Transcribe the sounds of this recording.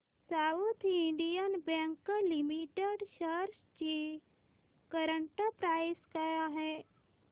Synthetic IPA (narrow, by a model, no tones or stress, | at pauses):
saːwut̪ʰɪ̃ɳɖijənbɛ̃ːŋkːalɪmiʈeɖʃəɾs | d͡ʒi | kəɾəɳʈapɾaːɪskajaɦɛː